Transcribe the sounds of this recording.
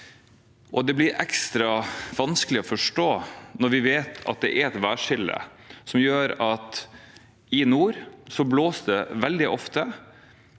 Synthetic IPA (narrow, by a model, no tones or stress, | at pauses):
ʔɔd̪ɛblɪɾʔɛkst̪ɾɑʋɑnskəlɪɔfɔʂʈoːnɔɾʋɪʋeːt̪ɑ̰t̪̚d̪ɛʔæɾɛt̪ʋæːʂɪld̪ə̰ | sɔmjøːɾɑt̪ | ɪnuːɾsɔbloːsd̪ɛʋɛld̪ɪʔɔft̪ə